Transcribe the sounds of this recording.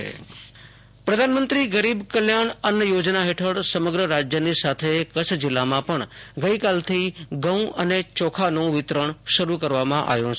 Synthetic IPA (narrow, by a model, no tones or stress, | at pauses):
ḛ | pɾəd̪ʱanmənt̪ɾiɡəɾibkəljaɳənjəjod͡ʒnaɦeʈʰəɽsəməɡɾəɾad͡ʒjənisat̪ʰekət͡ʃʰd͡ʒɪlːamãpəɳɡəikalt̪ʰiɡə̃wũənet͡ʃɔkʰanũʋɪt̪ɾəɳʃəɾukəɾʋamãʔa̰ʋjũ